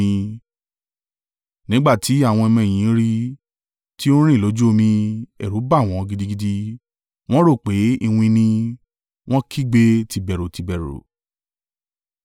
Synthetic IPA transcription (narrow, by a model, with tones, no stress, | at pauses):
nĩ˨˦ɡ͡ba˦˨ti˨˦a˦˨w̃ɔ̃˧ɛ˧mɛ̃˧˨ĩ˨˦ɾi˦ | ti˦o˦ɾ̃ĩ˦˨lo˨˦d͡ʒu˦o˧mĩ˧ɛ̰˨ɾu˨˦ba˦˨w̃ɔ̃˨˧ɡi˧di˦ɡi˧di˧ | w̃ɔ̃˦ɾo˦˨k͡pe˨˦i˦˧wũ˧nĩ˧ | w̃ɔ̃˦kʰi˦˨ɡ͡be˧˦ti˧bɛ˨ɾo˨ti˧bɛ˨ɾo̰˨